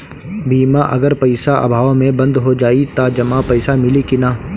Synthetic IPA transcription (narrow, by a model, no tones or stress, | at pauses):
biːmaʔɐ̰ɡəɾpɐɪsaʔə̰bʱaːʋmẽbɐ̃nd̪ɦod͡ʒaːit̪ad͡ʒɐmapɐɪsamɪlikinaː